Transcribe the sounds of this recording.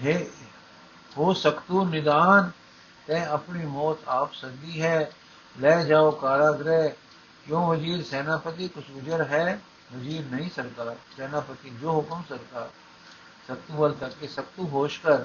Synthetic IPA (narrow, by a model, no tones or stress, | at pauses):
ɦe | ɦoːsɐkt̪unɪd̪aːn | t̪ɛ̃ːɐpnimɔːt̪aːpsɐɾd̪iɦɛː | lɛːd͡ʒaːokaːɾaːɡɾɛ | kjõːʋɐziːɾsɛːnaːpət̪̬ikʊt͡ʃʰʊd͡ʒəɾɦɛ | ʋɐziːɾnɐɦĩsɐɾt̪aːsɛːnaːpət̪id͡ʒoːɦʊkəmsɐɾt̪aː | sɐk̚t̪ubəlt̪ɐkesɐk̚t̪uɦoːʃkəɾ